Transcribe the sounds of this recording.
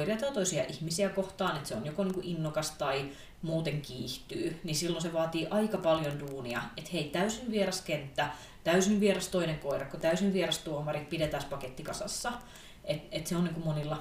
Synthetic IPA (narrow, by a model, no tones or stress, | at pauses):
oirijɑt̪ɑːt̪oisiɑ̰ʔihmisiækoht̪ɑːnet̪seonjokoniːŋkuʔinːokɑst̪ɑi | muːt̪eŋkiːht̪yːnisilːonseʋɑːt̪iːʔɑikɑpɑljonduːniɑ̰et̪heit̪æysinʋierɑskent̪ːæ | t̪æysinʋierɑst̪oineŋkoirɑkkot̪æysiʋʋierɑst̪uomɑrit̪̚pidet̪æspɑket̪ːikɑsɑsːɑ | et̪et̪seoniːŋkummonilːɑ